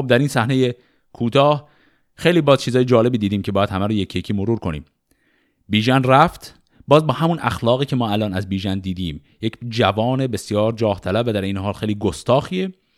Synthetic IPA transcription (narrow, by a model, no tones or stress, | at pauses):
xob̚d̪æɾiːnsæhneje̞ | kʰuːt̪ʰɒːh | xe̞jliːbɒːzt͡ʃʰiːzɒːjed͡ʒɒːle̞biːd̪iːd̪iːmcʲʰebɒːjæd̪hæmæɾojecʰijecʰiːmoɾuːɾkʰo̞nḭːm | biːʒænræft̪ | bɒːzbɒːɦæmunʔæ̰xlɒːɣiːcʰe̞mɒːælɒːnæzbiːʒænd̪iːd̪iːm | jecʰd͡ʒævɒːne̞be̞sjɒːɾd͡ʒɒːht̪ʰælæbːæd̪æɾejneɦɒːlxejliːɡost̪ɒːxiːe